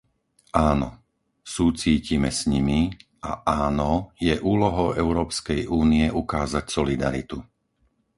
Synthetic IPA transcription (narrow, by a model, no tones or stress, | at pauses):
ʔaːnɔ̰ | suːt͡siːcimɛsɲimiʔa̰ʔaːnɔjɛʔuːlɔɦɔʊɛʊɾɔːpskɛjʔuːniɛʔukaːzacsɔlid̪a̰ɾḭt̪u